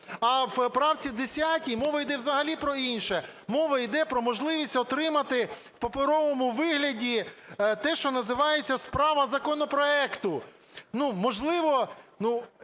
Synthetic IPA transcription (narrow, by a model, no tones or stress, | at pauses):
ɐwpɾɑwt͡sʲid̪esʲjatʲijmɔʋɐjd̪ɛwzɐɦɐlʲipɾɔinʃɛmɔʋɐid̪ɛpɾɔmɔʒlˠɪʋʲisʲtʲɔt̪ɾɪmɐt̪ɪ | wpɐpɪɾɔʋɔmʊʋɪɦlʲɐdʲit̪ɛʃt͡ʃɔnɐzɪʋɑjet͡sʲːɐspɾɑʋɐzɐkɔnɔpɾɔɛkt̪ʊ | numɔʒlˠɪʋɔnu